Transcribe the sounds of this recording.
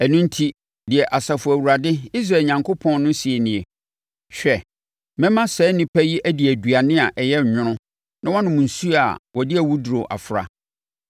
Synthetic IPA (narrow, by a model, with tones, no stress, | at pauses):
æ˨nʊ̃˦n̩˦tʰi˦ | dɪ˨ɛ˨ʔa˨sa˨fʊ˨æ˨wu˨ɾa˨dɪ˦i˦s̬ɾa˨ɲã˨ŋkʰo˦pʰɔ̃˦nnʊ̃˦si˨e˨nɪ̃˨e˨ | ɕᶣɛ˨ | mɛ̃˦mã˦sɛː˦nɪ̃˦pʰæ˦ji˦ʔæ˦di˨æ˨du˨a˨nɪ̃˦a˨ʔɛ˨jɛ˦˨ɲᶣʊ̃˦ɾ̃ʊ̃˦ | nã˦wɔ̃˦nʊ̃˨mʊ̃˨n̩˨su˦a̰˨wɔ˨dɪ˦æ˨wu˦du˨ɾo˨ʔa̰˨fɾa̰˨